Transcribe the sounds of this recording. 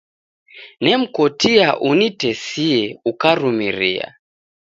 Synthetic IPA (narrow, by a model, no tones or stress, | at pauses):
nɛm̩kɔtiaʔunitɛsiɛukaɾumiɾia̰